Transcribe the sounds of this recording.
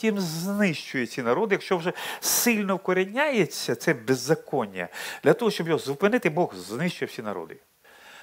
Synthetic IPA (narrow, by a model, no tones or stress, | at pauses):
tʲimznɪʃt͡ʃʊjɛt͡sʲinɐɾɔd̪ɪjɐkʃt͡ʃɔwʒɛsɪlʲnɔwkɔɾɪnʲajet͡sʲːɐt̪sɛbezːɐkɔnʲːɐ̰d̪̥lʲɐt̪ɔɦɔʃt͡ʃɔbjɔɦɔzʊpɪnɪt̪ɪbɔɣznɪʃt͡ʃʊjɛwsʲinɐ̰ɾɔ̰d̪ɪ̰